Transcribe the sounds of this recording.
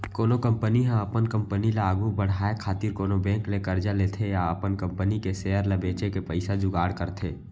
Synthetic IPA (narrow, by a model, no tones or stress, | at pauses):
koːlokə̃mpəniɦãəpənkə̃mpənilaaːɡubəɽ̤aːekʰaːt̪iɾkoːlobɛ̃ːklekəɾd͡ʒaleːt̪ʰejaəpənkə̃mpənikeseːjəɾlabeːt͡ʃekepəɪsad͡ʒʊɡaːɽkəɾt̪ʰeː